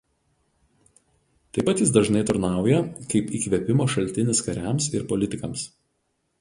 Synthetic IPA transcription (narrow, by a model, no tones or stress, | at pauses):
t̪ɐɪpːɐt̪jɪsd̪ɐʒnɐɪt̪ʊɾnɑˑʊjɛkɐɪpiːkʋʲɛpʲɪmoːʃɐlʲˑt̪ʲɪnʲɪskɐɾʲæmsɪɾpɔlʲɪt̪ʲɪkɐms